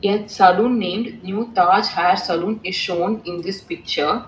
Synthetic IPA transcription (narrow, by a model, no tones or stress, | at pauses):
etsɐlũnːẽːmɖnjuːt̪aːd͡ʒhæɾsɐlũːneʃõːnɪ̃nd̪ispik̚t͡ʃəɾ